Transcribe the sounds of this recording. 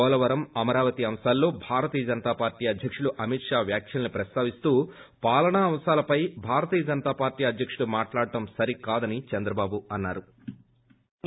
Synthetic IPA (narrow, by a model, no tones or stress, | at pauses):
ɔːlɐʋɐɾɐmɐmɐɾaːʋɐt̪iɐmsaːlːo̞ːbʱaːɾɐt̪iːjɐd͡ʒɐnɐt̪aːpaːɾʈiːɐd̪ʱjɐkʂuɽuʔɐmit̪ʂaːʋjaːkʰjɐlɐnipɾɐst̪aːʋist̪uː | paːlɐɳaːmsaːlɐpɐjbʱaːɾɐt̪iːjɐd͡ʒɐnɐt̪aːpaːɾʈiːɐd̪ʱjɐkʂuɽumaːʈlaːɽɐʈɐmsɐɾikaːd̪ɐnit͡ʃɐnd̪ɾɐbaːbuɐnːaːɾu